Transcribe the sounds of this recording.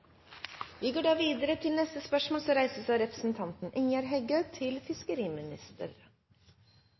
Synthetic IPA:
ʋiːɡoːɖɑːʋiːd̪əɾət̪ʰɪlnɛst̪əspœʂmoːlsɔɾæɪsəsɑːɾɛpɾəsn̩t̪ʰɑnt̪n̩ʔɪŋjɑɾɦɛɡət̪ʰɪlfɪskəɾiːmɪnɪ̰st̪ə̰ɾ

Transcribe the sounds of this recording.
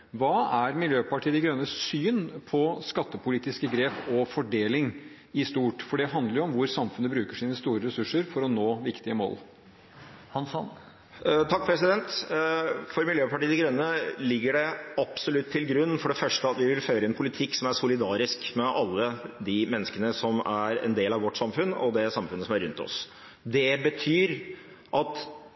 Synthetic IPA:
ʋɑːæɾmɪljøːpɑʈʰiːəd̪ɪɡɾœnːəsyːnpʰɔskɑt̪ːəpʰʊliːt̪ɪskəɡɾeːpɔfɔɖeːlɪŋ | ɪst̪uːʈfɔɖɛɦɑnd̪əɾjʊɔmʋʊɾsɑmfʉnəbɾʉːkəʂiːnəst̪uːɾəɾɛsʉʂəɾfɔɾɔnoːʋɪkt̪ɪəmo̰ːl | hɑnsɔ̰n | t̪ʰɑk̚ːpʰɾɛsɪd̪ɛnt̪ | fɔɾmɪljøːpɑʈiːɡɾœnːəlɪɡːəɖɛɑb̥sɔlʉt̪ʰːɪlɡɾʉnːfɔɖɛfœʂʈəɑt̪ʋɪʋɪlføːɾəɪnpʰʊlɪt̪ʰɪkːsɔmæɾsʊlɪd̪ɑːɾɪskmɛʔɑlːəd̪ɪmɛnːəskənəsɔmæɾɛ̰nd̪eːlɑʋɔʈːsɑmfʉnːɔ̰d̪ɛsɑmfʉnəsɔmæɾʉnt̪ɔ̰s | d̪ɛbət̪ʰyːɾ | ʔɑt̪

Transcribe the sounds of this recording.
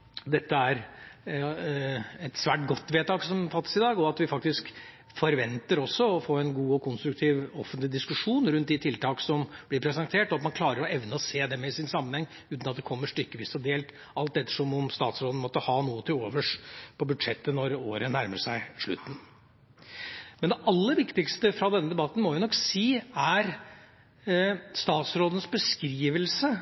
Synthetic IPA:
d̪ɛt̪ːəæɾ | ɛt̪sʋæːʈ̚ɡɔt̪ːʋeːt̪ɑːksɔmfɑt̪ːə̥sɪd̪ɑːɡɔɑt̪ʋɪfɑk̚t̪ɪsk | fɔɾʋɛnt̪əɾɔsːɔɔfoːɾɛnɡuːɔkʰʊnst̪ɾʉk̚t̪ʰiːʋɔfənt̪lɪd̪ɪskʉʂuːnɾʉnt̪̚d̪ɪt̪ʰɪlt̪ʰɑːksɔmb̥lɪɾpʰɾɛsɛnt̪ʰeːʈɔɑt̪mɑnkʰlɑːɾəɾɔɛʋnəɔseːd̪ɛmɛɪsɪnsɑmːənhɛŋː | ʉːt̪nɑt̪̚d̪ɛkʰɔmːəʂʈʏkːəʋiːsɔd̪eːlt̪ | ʔɑlt̪d̪ɛt̪ːəʂɔmɔmst̪ɑːt̪sɾoːd̪nəmɔt̪ːəhɑːnuːət̪ʰɪloːʋəʂpʰɔbʉd̪ʂɛt̪ːənɔɾoːɾənæɾmə̰ʂæɪʂɭʉ̰t̪ːn̩ | mɛnd̪ɛʔɑlːəʋɪkt̪ɪkst̪əfɾɑd̪ɛnːəd̪ɛbɑt̪ːn̩mɔjʊnɔkːsiːæɾ | st̪ɑːt̪sɾoːd̪nəsbəskɾiːʋəlsə

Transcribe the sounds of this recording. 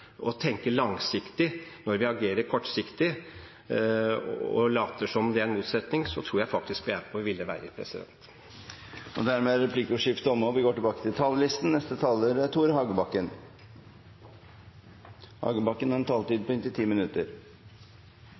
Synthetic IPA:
ɔt̪ʰɛŋkəlɑŋsɪkt̪ɪnɔɾʋɪɑɡeːɾəɾkʰɔʈːsɪkt̪ɪ | ɔ̰lɑːt̪əʂɔmd̪ɛæɾɛnmuːt̪sɛt̪nɪŋsɔt̪ʰɾuːɾjæɪfɑk̚t̪ɪskʋɪæɾpʰɔʋʋɪlːəʋæ̰ːɾəpʰɾɛ̰sɪd̪ɛ̰nt̪ | ɔd̪æɾmeːɾɛpʰlikəʂɪft̪əɔmːɔʋɪɡoːʈɪbɑːkə̥t̪ʰɪlt̪ʰɑːləlɪst̪n̩nɛst̪ət̪ʰɑːləɾt̪ʰuːɾhɑːɡəbɑkːən | hɑ̰ːɡəbɑkːənæɾɛnt̪ʰɑːlt̪iːd̪̚pʰɔɪnt̪ɪt̪ʰiːmɪnʉt̪əɾ

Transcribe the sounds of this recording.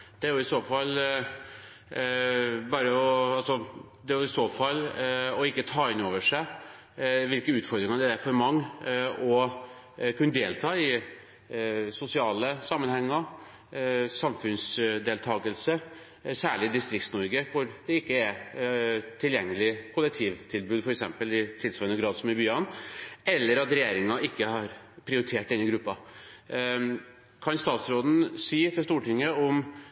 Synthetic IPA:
d̪̥ɛæɾjʊɪsoːfɑlː | bɑːɾəɔɑlsɔ | d̪ɛjʊɪsoːfɑlːɔɪkːət̪ʰɑːɪnoːʋəʂæɪ | ʋɪlkəʉːt̪fɔɾd̪ɾɪŋɑd̪ɛææɾfɔɾmɑŋːɔ | kʰʉnːəd̪eːlt̪ʰɑːɪ | sʊsɪɑːləsɑmːənhɛŋːəɾ | sɑmfʉnsd̪eːlt̪ʰɑːɡəlsə | sæːɭɪd̪ɪst̪ɾɪkt̪snɔɾɡəkʰʊɾd̪ɛɪkːəɛ | t̪ʰɪljɛŋːəlɪkʰʊlːɛk̚t̪ʰiːʋt̪ʰɪlbʉːd̪fɔɾɛksɛ̰mpəlɪt̪ʰɪlsʋɑːənəɡɾɑːd̪sɔmɪbyːɑnɛlːəɾɑt̪ɾɛjeːɾɪŋɑʔɪkːəhɑɾ | pʰɾɪʊɾɪt̪ʰeːʈːɛnːəɡɾʉpːɑ | kʰɑnst̪ɑːt̪sɾoːd̪n̩siːt̪ʰɪlst̪uːʈɪŋːəɔm

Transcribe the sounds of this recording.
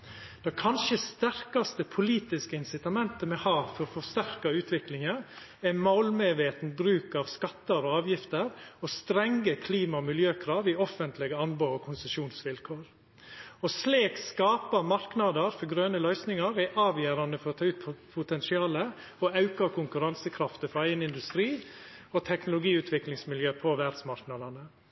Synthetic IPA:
d̪̥ɑkʰɑnʃəst̪æɾkɑst̪əpʰʊliːt̪ɪskəɪnsɪt̪ɑmɛnt̪əmɛhɑːfɔɾɔfɔst̪æɾkɑʉːt̪ʰʋɪklɪŋə | ɛmɑlmeʋeːt̪n̩bɾʉːkɑʋskɑt̪ːəɾɔɑːʋjɪft̪əɾɔst̪ɾɛŋːəkʰliːmɑɔmɪljøːkʰɾɑːʋɪɔfənt̪lɪɡəɑnboːɔkʰʊnsəʃuːnsʋɪlkʰoːɾ | ɔsleːkskɑːpəmɑɾknɑd̪əɾfɔɾɡɾøːnəlœʏsnɪŋɑɾɛʔɑːʋjæːɾɑnəfɔɾɔt̪ʰɑːʉːt̪pʰpʰʊt̪ɛnsɪɑːlə | ɔɑʉkɑkʰʊŋkʉɾɑnsəkʰɾɑft̪əfɔɾæɪənɪnd̪ʉst̪ɾiːɔt̪ʰɛknʊlʊɡiːʉːt̪ʰʋɪklɪŋsmɪljøːpʰɔʋæɖ̪smɑɾknɑd̪ɑnə

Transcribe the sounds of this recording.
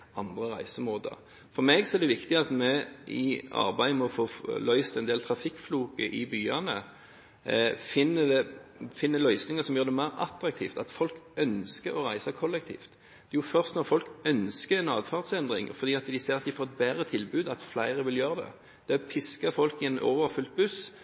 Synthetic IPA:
ɑnd̪ʁəʁæ̰ɪsəmoːd̪ə̰ʁ | fɔɾmɛːɡsɔɛd̪ɛʋɪkt̪ɪɑt̪mɛʔɪɑ̰ʁbæɪmɔfoːlœʏst̪ɛnd̪eːlt̪ʰɾɑfɪkːfluːkəʔɪbyːɑnə̰ | fɪnːəd̪ɛfɪnːəlœʏsnɪŋəsɔmjøːd̪ɛmæɪɾɑ̰t̪ɾɑk̚t̪ʰḭːft̪ɑt̪fɔlkœnskəɾɔʁæɪsɑkʰɔlːɛk̚t̪ʰḭːft̪ | d̪̥ɛjʊfœʁst̪nɔʁfɔlkœnskəɾɛnɑːd̪fɑʁt̪sɛnd̪ʁɪ̰ŋfɔɾd̪iːɑt̪d̪ɪseːʁɑt̪̚d̪ɪfoːʁɛt̪̚bæɾət̪ʰɪlbʉːd̪ɑt̪flæɪɾəʋɪljøːʁəd̪ɛ̰ | d̪̥ɛpʰɪskəfɔlkɪɛno̰ːʋəɾfʉlt̪̚bʉs

